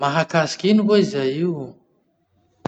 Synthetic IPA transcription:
maɦakasi̥kʲinuveizajiw

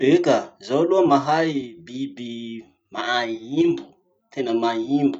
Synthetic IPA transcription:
ekazaluamaɦaibibi | ma̰ajimbu | t̪ʰɛnamajimbu

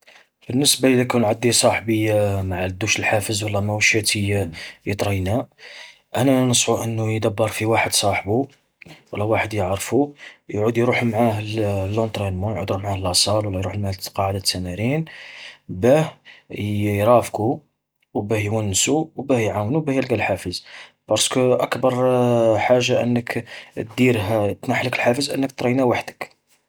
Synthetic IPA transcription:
bənːəsbaid̪ækunʕad̪ːisˤɑħbəjːamaʕad̪ːuʃəlħafəzwəlːɑmæwʃæt̪əjajət̪ˤɾˤɑjnæ | ʔænænəsˤħuʔənːujd̪æbːəɾˤfiwaħəd̪sˤɑħbu | wəlːæwaħəd̪jəʕɾˤfujʕud̪jɾuħumʕahlːont̪ɾinmujʕṵd̪ɾumʕahlɑsˤɑlwlːɑjɾuħlmæqɑʕad̪at̪ːænæɾin | bæhjjɾˤɑfku | wbæhjwænːsuwbæhjʕawnubæhjælɡælħafəzbɑɾˤskuʔəkbɑɾˤħaʒːaʔənːəkt̪̚d̪iɾɦæt̪naħləkəlħafəzʔənːəkt̪ɾɑjnæwaħd̪ək

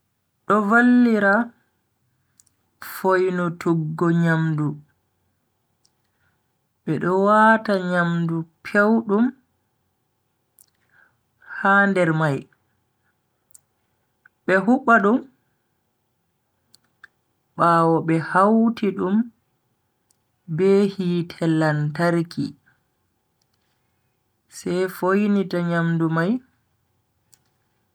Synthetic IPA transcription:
ɗɔvalːiɾa | fojnɔtʰuɡːɔɲamdu | ɓɛɗɔwaːtaɲamdupʰewɗum | haːndɛɾmaj | ɓɛɦuɓːaɗum | ɓaːwɔɓɛhawtiɗum | bɛhitʰɛlːantaɾki | sɛjfojnitaɲamdumaj

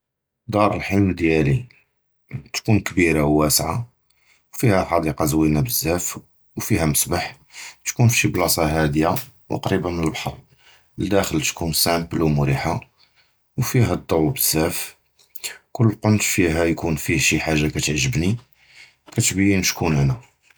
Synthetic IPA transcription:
d̪ɑɾˤəlħilmd̪jæli | t̪kunkbiɾawːæsʕa | wfihæħɑd̪iqɑzwinæbəzːæf | wfiɦæməsbaħ | t̪kunfʃiblɑsˤɑɦæd̪jaw̰qɾibənəlbħɑɾˤ | ld̪æxəlt̪kunsæmpəlwmuɾiħa | wfiɦæd̪ˤːɑwːbəz̥ːæf | kʊlːqont̪fiɦæjkunfiʃiħaʒːakæt̪əʕʒəbni | kæt̪bəjːənʃkunænæ

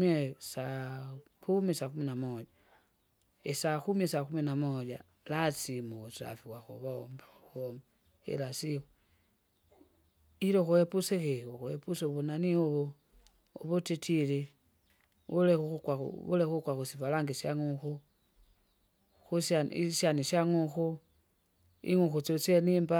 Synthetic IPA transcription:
esa | kumisakuminamod͡ʒa | esakumiesakuminamod͡ʒa | lat͡simusa̰fiwaxṵβomb | omba | ḛlasio | iɾoxuepusexeoxuepusoβunanioβo | o̰βotitʰile | βulexxukwaṵβulexukwaxusivalaŋɡisjaŋuxu | xusaiʃaniʃaŋuxu | ḭŋuxut͡sot͡senimba

